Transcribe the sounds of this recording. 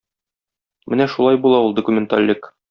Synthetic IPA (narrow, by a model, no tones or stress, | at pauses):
mɘnæʃulˠɑjbulˠɑulˠd̪ŏkumʲɪnt̪a̰lʲːɘk